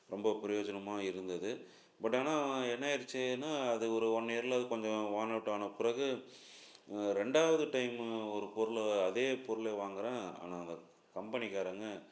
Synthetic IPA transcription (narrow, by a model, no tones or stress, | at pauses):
ɾɔmbɐpɪɾɐjoːd͡ʒɐnɐmaːɪɾɯnd̪ɐðɯ | bɐʈ̬ːaːnãːɛnːɐɪɾɯt͡ʃːɯnːaːɐðɯɔɾɯɔnːeɐɾɪlɐɐðɯkɔɲd͡ʒɔ̃ʋaːnɐʈːaːnɐpʊɾɐɣɯ | ɾɛɳɖaːʋɐðɯʈɐɪmɔɾɯpɔɾɯlɐðeːpɔɾɯleːʋaːŋɡɐɾãːa̰ːnaːɐnd̪ɐ | kɐmpɐnɪkaːɾɐŋɡɐ